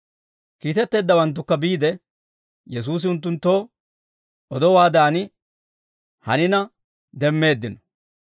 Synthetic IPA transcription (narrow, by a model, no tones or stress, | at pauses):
kiːt̪ɛt̪ːe̞ːd̪ːɐwɐnt̪̬ːʊkːɐbiːd̪ɛ | jɛs̬uːs̬ɪʊnt̪ːʊnt̪ːo̞ː | ɔd̪ɔwaːd̪aːnɪ | hɐ̰nɪnɐ | d̪ɛmːe̞ːd̪ːɪnɔ̥